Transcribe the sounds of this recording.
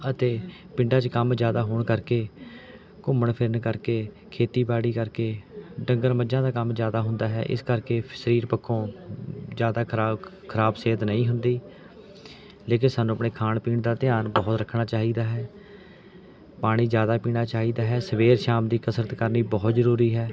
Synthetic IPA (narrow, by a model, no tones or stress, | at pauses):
ət̪eː | pɪ̃ɳɖãːt͡ʃkəmzjaːd̪aːɦoːɳkəɾkeː | kʊməɳpʰɪɾənkəɾkeː | kʰeːt̪iːbaːɽiːkəɾkeːɖəŋɡəɾməd͡ʒãːd̪aːkəmzjaːd̪aːɦʊnd̪aːɦɛ̰ːʔɪ̰skəɾkeːsəɾiːɾpəkʰːõː | zjaːd̪aː | kʰəɾaːbseːt̪nəĩːɦʊnd̪iː | leːk̬ɪnsaːnːũːəpɳeːkʰaːnpiːɳd̪aːt̪ɪjaːnbɔːt̪ɾəkʰnaːt͡ʃaːɦiːd̪aːɦɛː | paːɽ̃iːzjaːd̪aːpiːɽ̃aːt͡ʃaːɦiːd̪aːɦɛːsəʋeːɾʃaːmd̪iːkəsɾət̪kəɾniːbɔːt̪zəɾuːɾiːɦɛː